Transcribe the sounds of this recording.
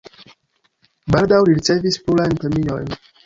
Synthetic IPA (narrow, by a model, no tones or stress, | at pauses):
baɾd̪awliɾit̪sevispulank̪emino̰j